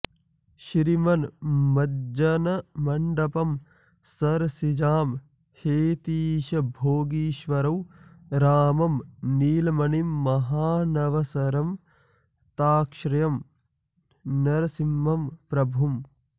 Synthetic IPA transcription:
ʃɾimɐnmɐd͡ʒɐnɐmɐɳɖɐpɐm | sɐɾsid͡ʒaːm | heːt̪iːʃɐbʱoːɡiːʃʋɐɾɐw | ɾaːmɐmniːlɐmɐnimːɐɦaːnɐʋɐsɐɾɐm | t̪aːkʃɾɐjɐm | nɐɾɐsimːɐmpɾɐbʱum

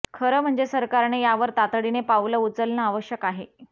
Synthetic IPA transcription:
kʰəɾəːm̤əɳd͡zesəɾkaɾnejaʋəɾt̪at̪ɽinepauləut͡səlnəaʋəɕjəkaɦe

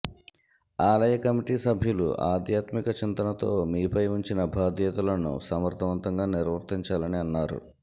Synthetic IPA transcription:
aːlɐjɐkɐmiʈiːsɐbʱjulṵʔa̰ːd̪ʱjaːt̪mikɐt͡ʃint̪ɐnɐt̪o̞ːmiːpɐjuɲt͡ʃinɐbʱaːd̪ʱjɐt̪ɐlɐnṵsɐmɐɾt̪ʰɐʋɐnt̪ɐŋɡaːniɾʋɐɾt̪iɲt͡ʃaːlɐniɐnːaːɾṵ

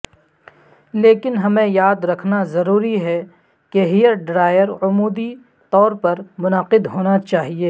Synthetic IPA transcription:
leːkɪnɦɐmẽjaːd̪ɾɐkʰnazɐɾuːɾiɦɛ | keɦijəɾɖɾaːjəɾʊmuːd̪i | t̪ɔːɾpɐɾmʊnəqɪd̪ɦoːnat͡ʃaːɦieː

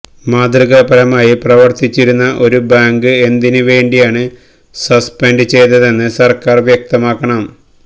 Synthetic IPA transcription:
maːd̪riɣɐpɐɾɐmaːjiprɐʋɐrt̪it͡ɕːiɾunːɐʔo̞ɾubaːŋɡɨe̞nd̪inɨʋe̞ːɳɖijaːɳɨ | sɐspenɖɨt͡ɕe̞jt̪ɐðe̞nːɨsɐrkaːrʋjɐk̚t̪ɐmaːkːɐɳɐm

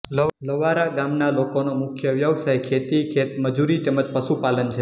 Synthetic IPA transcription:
lələʋaɾaɡamnalokonomʊkʰjəʋjəʋsajkʰet̪ikʰet̪məd͡ʒuɾit̪eməd͡ʒpəsupalənt͡ʃʰe

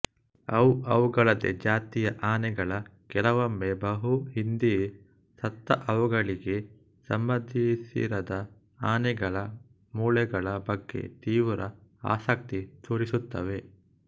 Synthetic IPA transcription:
ɐwuɐʋuɡɐɭɐd̪ḛd͡ʒaːt̪ijɐʔaːnɛɡɐɭɐkɛlɐʋɐmːebɐɦuɦind̪i | sɐt̪ːɐ̰ʔɐʋuɡɐɭiɡe̞ | sɐmbɐd̪ʱisḭɾɐd̪ɐ | aːnɛɡɐɭɐ | muːɭɛɡɐɭɐbɐɡːe̞̰t̪iːʋuɾɐa̰ːsɐk̚t̪it̪ʰoːɾisut̪ːɐʋe̞

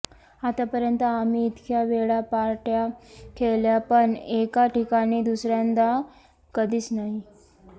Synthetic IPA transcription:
at̪apəɾjənt̪əamiːt̪kʰjaʋeɭapaɾʈjakʰeljapəɳekaʈikañiːd̪usɾjand̪a | kəd̪ʱiːt͡snaɦi

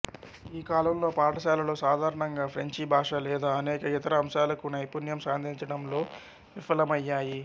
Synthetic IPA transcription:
iːkaːlɐmlo̞ːpaːʈɐʃaːlɐlo̞ːsaːd̪ʱaːɾɐɳɐŋɡaːpʰɾeɲt͡ʃibʱaːʂɐlɛːd̪aːɐnɛːkɐit̪ɐɾɐːmʃaːlɐkunɐjpunjɐmsaːnd̪ʱiɲt͡ʃɐɽɐmlo̞ː | ʋifɐlɐmɐjːaːji

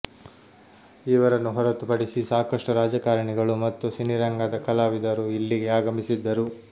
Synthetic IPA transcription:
iʋɐɾɐnːuɦɔɾɐt̪upɐɽisisaːkɐʂʈuɾaːd͡ʒɐkaːɾɐɳɛɡɐɭumɐt̪ːusiniɾɐŋɡad̪ɐkɐlaːʋid̪ɐɾuilːiɡe̞aːɡɐmisid̪ːɐɾu

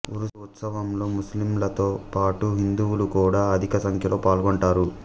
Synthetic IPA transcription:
uɾuut̪sɐʋɐmlo̞ːmuslimlɐt̪oːpaːʈuɦind̪uwulukuːɽaːɐd̪ʱikɐsɐŋkʰjɐlo̞ːpaːlɡoɳʈaːɾu

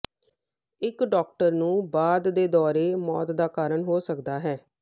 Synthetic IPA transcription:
ɪkɖɔːk̚ʈəɾnũːbaːd̪d̪eːd̪ɔːɾeːmɔːt̪d̪aːkaːɾəɳɦoːsəkd̪aːɦɛː

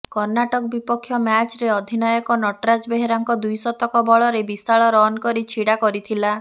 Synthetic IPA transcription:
kɔɾnaʈɔkɔbipɔkʰːjɔmat͡ʃɾeɔd̪ʱinɔjɔkɔnɔʈɾad͡ʒbeɦeɾaŋkɔd̪ujsɔt̪ɔkɔbɔɭɔɾebist̪aɭɔɾɔnkɔɾit͡ʃʰiɽakɔɾit̪ʰila

